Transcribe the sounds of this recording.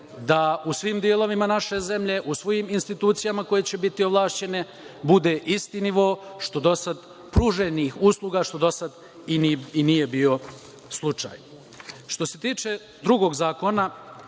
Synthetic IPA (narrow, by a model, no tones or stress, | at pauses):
d̪ausʋiːmd̪ielo̞ʋimanaʃe̞ze̞mʎe̞ʔusʋo̞jiːminst̪it̪uːt̪sijamako̞jet͡ɕe̞bit̪ioʋlˠaːʃt͡ɕe̞ne̞ | bud̪e̞ʔist̪iniʋo̞ːʃt̪o̞d̪o̞sad̪ | pɾuːʒenixuslˠuɡaʃt̪o̞d̪o̞sad̪ | ininije̞bio̞ | slˠut͡ʂa̰ːj | ʃt̪o̞se̞t̪iːt͡ʂe̞ | d̪ɾuɡo̞ɡzaːko̞na